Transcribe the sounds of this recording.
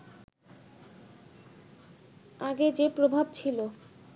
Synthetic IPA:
aɡed͡ʑepɾobʱabt͡ɕʰilo

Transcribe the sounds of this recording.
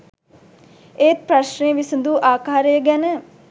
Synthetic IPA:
eːt̪̚pɾaʃnejəʋisənd̪uʔaːkaːɾəjəɡænə

